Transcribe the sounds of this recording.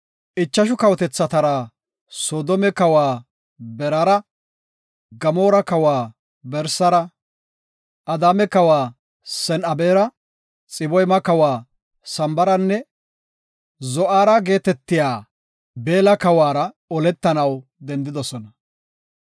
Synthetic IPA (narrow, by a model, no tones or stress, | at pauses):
ʔɪt͡ʃːɐʃ̬ʊkɐwt̪ɛt͡sːɐt̪ɐɾa | soːd̪ɔmɛkɐwaː | bɛɾaːɾɐ | ɡɐmoːɾɐkɐwaː | bɛɾsɐɾɐ | ʔɐd̪aːmɛkɐwaː | sɛnɐbeːɾɐ | t͡sʼɪbɔjmɐkɐwaː | sɐmbɐɾɐnːɛ | zɔʔaːɾɐɡe̞ːt̪ɛt̪ːɪjaː | be̞ːlɐkɐwaːɾɐ | ɔlɛt̪ːɐnɐwd̪ɛnd̪ɪd̪ɔsɔnɐ